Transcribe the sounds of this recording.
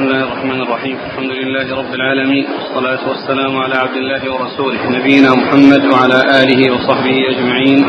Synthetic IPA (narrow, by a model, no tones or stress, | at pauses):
smɪlːaːhɪrˤːɑħmaːnɑrˤːɑħiːmalħamd̪ʊlɪlːaːhɪɾˤɑbːɪlʕaːlamiːnʔɑ̰sˤːɑlaːt̪ʊwasːalaːmʊʕalaːʕab̚d̪ɪlːaːhɪwɑɾˤɑsuːlɪhnabɪjːɪnaːmʊħamːad̪waʕalaːʔaːlɪhiːwɑsˤɑħbɪhiːʔad͡ʒmaʕiːn